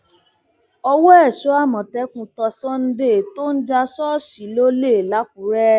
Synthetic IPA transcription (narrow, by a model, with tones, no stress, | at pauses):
ɔ˧wɔ˦ɛ˦˨ʃo˨˦a˦˨mɔ̃˨tɛ˨˦kũ˧tɔ˧sɔ̃˦n̩˦de˦˨to˦n̩˦d͡ʒa˧sɔ˦ʃi˨˦lo˦le˦˨la˨˦k̚u˨˦ɾɛ˦